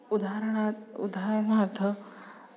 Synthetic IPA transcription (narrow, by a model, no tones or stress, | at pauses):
ud̪aɾɳat̪ṵd̪aɦɾəɳmʱaɾt̪ʰə